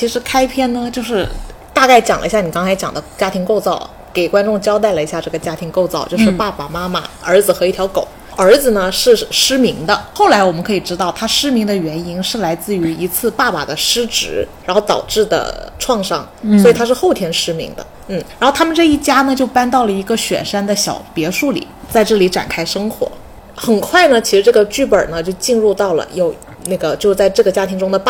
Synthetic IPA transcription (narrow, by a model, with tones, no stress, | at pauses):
t͡ɕʰi˧˥ʂɻ̩˧˥kʰa˥ɪpʰjɛ˥˩nnə˨t͡ɕjo˥˧ʊʂɻ̩˥˩ | t̪a˥˧ka˥˩ɪt͡ɕjɑ˨˩lə̰˧ɕja˥˩ni˨˩kɑ˥ŋt͡sʰɪjɑ˨˩ŋd̪ə˦t͡ɕja˥t̪ʰi˧˥ŋko˥˧ʊt͡sɑ˥˩ʊ | ke˨˩ɪkwa˥nʈ͡ʂʊ˥˧ŋt͡ɕjɑ˥ʊt̪̬a˥˩ɪlə˩i˧˥ɕja˥˧ʈ͡ʂɤ˥˩ɡə˩t͡ɕja˥t̪ʰi˧˥ŋko˥˧ʊt͡sɑ˥˧ʊt͡ɕjo˥˧ʊʂɻ̩˥˩˧pa˥˩pa˨˩ma˥ma̰˨˩ə˞˧˥d͡zɹ̩˧xɤ˧˥i˥˩t̪ʰjɑ˧˥ʊko̰˨˩˦ʊ | ə˞˧˥d͡zɹ̩˧nə˩ʂɻ̩˥˩ʂɻ̩˥mi˧˥ŋd̪ə˧xo˥˩ʊla˧˥ɪwɔ˨˩mə˦ŋkʰɤ˧˥i˨˩ʈ͡ʂɻ̩˥t̪ɑ˥˩ʊt̪ʰa˥ʂɻ̩˥mi˧˥ŋd̪ə˧ɥɛ˧˥ni˥nʂɻ̩˥˩la˧˥ɪt͡sɹ̩˥˩y˧˥i˧˥t͡sʰɹ̩˥˧pa˥˩pa̰˨˩d̪ə˦ʂɻ̩˥ʈ͡ʂɻ̩˧˥ɻa˧˥nxo˥˩t̪ɑ̰˨˩ʊʈ͡ʂɻ̩˥˩d̪ə̰˩ʈ͡ʂʰwɑ˥˧ŋʂɑ̰˥˩ŋ | swɔ˧˥i˨˩t̪ʰa˥ʂɻ̩˥˧xo˥˩ʊt̪ʰjɛ˧˥nʂɻ̩˥mḭ˧˥ŋd̪ə̰˧ | n̩˥˩ɻa˧˥xo˥˩ʊt̪ʰa˥mə˨nʈ͡ʂɤ˥˧i˥˩t͡ɕja˥nə˨t͡ɕjo˥˩ʊpa˥nt̪ɑ˥˩ʊlə˩i˧˥ɡə˧ɕɥɛ̰˨˩nʂa˥nd̪ə˨ɕjɑ̰˨˩ʊpjɛ˧˥ʂu˥˩lḭ˨˩˦t͡sa˥˧ɪʈ͡ʂɤ˥˩li˧˥ʈ͡ʂa˨˩nkʰa˥ɪʂɤ˥ŋxwɔ̰˧˥ | xə˨˩nkʰwa˥˩ɪnə˩t͡ɕʰi˧˥ʂɻ̩˧˥ʈ͡ʂɤ˥˩ɡə˩t͡ɕy˥˩pə̰˞˨˩nə˦t͡ɕjo˥˧ʊt͡ɕi˥˧nɻu˥˧t̪ɑ˥˩ʊlə̰˩jo˨˩ʊ | na˥˩ɡə˩t͡ɕjo˥˧ʊt͡sa˥˧ɪʈ͡ʂɤ˥˩ɡə˩t͡ɕja˥t̪ʰi˧˥ŋʈ͡ʂʊ˥ŋd̪ə˨p